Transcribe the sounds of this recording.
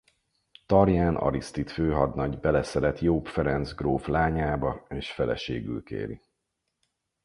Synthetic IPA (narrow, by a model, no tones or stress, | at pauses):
t̪ɒrjaːnɒ̰ɾist̪it̪føːɦɒd̪nɒɟbɛlɛsɛlɛt̪joːpfɛɾɛnt̪zɡroːflaːɲaːbɒeːʃfɛlɛ̰ʃḛːɡy̰lkḛːɾḭ